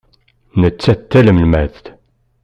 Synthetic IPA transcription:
nət͡sːæt̪ːæləmlmæθθ

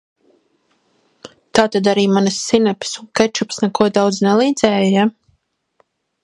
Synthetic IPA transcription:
t̪aːt̪ad̪aɾiːmanəsːinɛpʲsuŋkɛt͡ʃupsnɛkuɔd̪awd̪znɛlˠiːd̪zɛːjaja

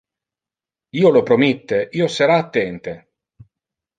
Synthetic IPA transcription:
iːolopɾomit̪ːeʔiːosəɾaːt̪ːɛnt̪e

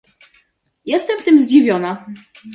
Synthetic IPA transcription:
jɛst̪ɛmt̪ɘmzd͡ʑivʲjɔna

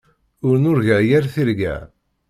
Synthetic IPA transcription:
ʊɾnʊɾʝæjæɾθiɾɡæ̰

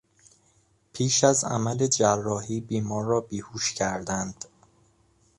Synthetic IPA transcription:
pʰiːʃæzæ̰mæled͡ʒærːɒːhiːbiːmɒːɾːɒːbiːhuːʃcʰæɾd̪ænd̪̥

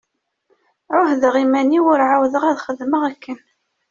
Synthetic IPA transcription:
ʕʊhðəʁimæniwʊɾʕawðəʁæðχəðməʁækːən

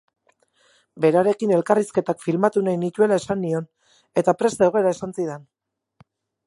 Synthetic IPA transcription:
be̞ɾaɾe̞kine̞lkariske̞t̪akfilmat̪unajnit̪ue̞lae̞sanːio̞n | e̞t̪apɾe̞sd̪eɣoe̞ɾae̞sansiðe̞n

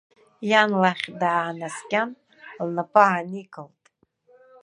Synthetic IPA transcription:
janlaχʲdaːnaskʲʼan | lnapʰʼaʕanikʰʼɨltʼ

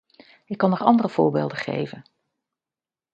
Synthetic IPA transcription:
ɪkːɑnɔχɑ̰ndərəv̥ʊ̰ːɹbḛːlˠdəχḛjvən

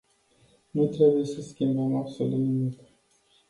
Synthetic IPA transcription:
nut̪ɾe̞buje̞səskʲimbəmabso̞lut̪nimik

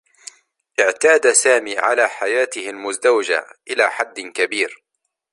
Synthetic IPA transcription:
ʔɪʕt̪aːd̪asaːmiːʕa̰laːħajaːt̪ɪhɪlmʊzd̪awd͡ʒa̰ʔɪlaːħad̪ːkabiːɾ

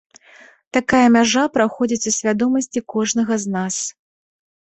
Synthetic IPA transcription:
t̪akajɐmʲaʐapɾaxɔd͡zʲit͡sʲusʲvʲad̪ɔmɐsʲt͡sʲikɔʐnɐɣɐznas

